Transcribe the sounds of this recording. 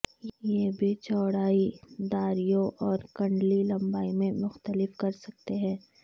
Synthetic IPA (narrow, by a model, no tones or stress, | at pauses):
jjebʱit͡ʃɔːɽaːid̪aːɾijõʔɔːɾkɐ̃ɳɖlilɐ̃mbaːimẽmʊxt̪əlɪfkɐɾsɐk̚t̪eɦɛ̃ː